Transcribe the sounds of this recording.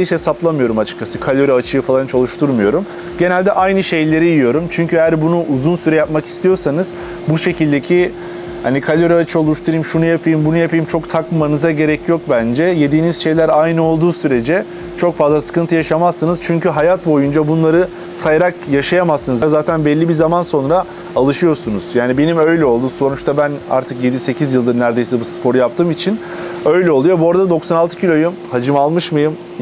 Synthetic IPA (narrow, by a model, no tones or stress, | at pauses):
iʃhesaplˠamɯjo̞ɾumat͡ʃʰɯ̥k̚t͡ʃʰasɯkʰalʲo̞ɾiat͡ʃʰɯjɯfalˠant͡ʃʰalˠuʃt̪ʰuɾmɯjo̞ɾum | ɟe̞nælʲd̪ɛʔajnɯʃe̞jlʲe̞ɾijijo̞ɾumt͡ʃʰyɲcʰyejæɾbunuʔuzunsyɾɛjapmaki̥st̪ʰijo̞ɾsanɯz̥ | buʃe̞cilʲd̪e̞cʰi | hanikʰalʲo̞ɾɛat͡ʃʰɯo̞lˠuʃt̪ʰuɾɯjimʃunujapʰɯjimbunujapʰijimt͡ʃʰo̞kt̪ʰakmanɯzaɟe̞ɾɛcʰjo̞k̚bænd͡ʒɛje̞d̪iːniz̥ʃe̞jlʲæɾajnɯo̞lˠd̪uːsyɾe̞d͡ʒɛ | t͡ʃʰo̞kfazlˠasɯ̥kɯnt̪ʰɯjaʃamasːɯnɯz̥t͡ʃʰyɲcyɦajat̪bo̞jund͡ʒabunlˠaɾɯ | sajaɾakjaʃajamasːɯnɯzzaːt̪ʰænbɛlʲːibizamanso̞nɾaː | lˠɯʃɯjo̞ɾsunuz̥jaːnibe̞nimø̞jlʲɛo̞lˠd̪uso̞nut͡ʃt̪ʰabæna̰ɾt̪ʰɯkje̞d̪ise̞cʰizjɯlˠd̪ɯɾnæɾd̪e̞jsɛbuspʰo̞ɾujap̚t̪ʰɯːmit͡ʃʰin | ø̞jlʲɛo̞lˠujo̞buoɾad̪ad̪o̞ksanalˠt̪ʰɯ̥cʰilʲo̞jumhad͡ʒɯmalˠmɯʃmajɯm